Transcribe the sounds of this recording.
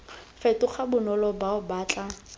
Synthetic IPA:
fɛtʊχabʊnɔlɔbaʊbaːt͡ɬʼa

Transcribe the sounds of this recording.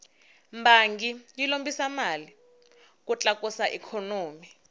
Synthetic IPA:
mbaŋɡijilombisamali | k̬ut͡ɬʼak̬ʼusaʔɛkʰɔnoːmi

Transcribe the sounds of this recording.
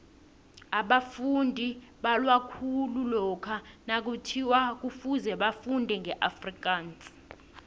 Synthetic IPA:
aɓafundʱiɓalwakʰululɔkʰanak̬utʰiwak̬ufuzɛɓafundʱɛŋʱɛʔafrik̬ʼaːnt͡sʼi̥

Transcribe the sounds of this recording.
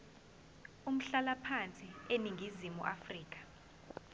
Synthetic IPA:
um̩ɬalapʰant͡sʼieniŋɡʱizimṵʔafriːk̬ʼḁ

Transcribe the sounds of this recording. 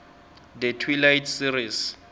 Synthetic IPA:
d̪ɛtʰwilajtʰsiɾis

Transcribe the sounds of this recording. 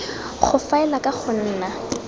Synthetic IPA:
χʊfaɛlakʼaχʰʊn̩ːna

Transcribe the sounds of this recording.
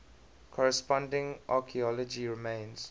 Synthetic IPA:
kʰɔɹɛspɔ̃ndɪ̃ŋʔakʰiɔlɔd͡ʒiɹɪmẽɪns

